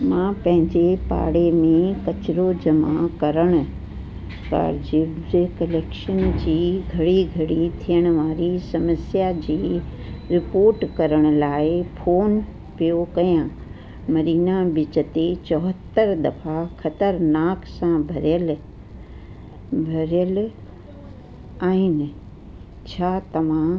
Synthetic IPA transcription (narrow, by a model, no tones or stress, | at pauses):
mãːpɐ̃ɦɪ̃ɲd͡ʑepa̰ːɽemẽkɐt͡ɕɪɾod͡ʑɐmakɐɾəɽ̃ʊ̆ | ka̰ːɾd͡ʑibd͡ʑkɐleːkʃənd͡ʑiːɡʱɐɽiɡʱɐɽit̪ʰijəɽ̃ʊ̆ʋaːɾisɐməsjad͡ʑiːɾɪpoːɾʈkɐɾəɽ̃ʊ̆laːɪfʰoːn | pijokɐjã | mɐɾiːnabɪt͡ɕət̪et͡ɕɔɦət̪ːəɾd̪ɐfaxɐt̪əɾnaːksãbʱɐɾjəl | bʱɐɾjəl | aːɦɪnɪ̆ | t͡ɕʰaːt̪ɐʋ̤ã